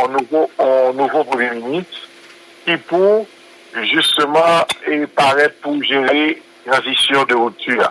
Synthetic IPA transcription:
ɔ̃nuvoɔ̃nuvopʁəmjɛmynist̪ | kipu | ʒyst̪əmãepaʁɛt̪̚puʒeʁe | ãzisjɔ̃d̪əʁut̪ya̰

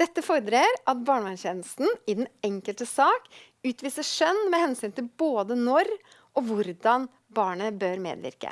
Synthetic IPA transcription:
d̪̥ɛt̪ːəfɔɾəd̪ɾeːɾʔɑt̪̚bɑːɳʋɑnçɛːnəst̪n̩ɪd̪ɛnɛŋkəlt̪əsɑːk | ʉːt̪ʋiːsəʂœnːmɛhɛnsyːnt̪ɪlboːd̪ənɔɾ | ʔɔʋʊɾd̪ɑn | bɑːɳəbøːɾmḛːd̪ʋɪ̰ɾkə̰

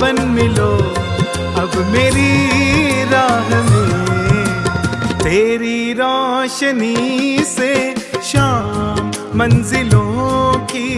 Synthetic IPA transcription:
bənmɪloː | ɐbmeːɾi | ɾaːɦni | t̪eːɾiɾɔːʃəniseʃaːmː | ɐ̃nzɪlõki

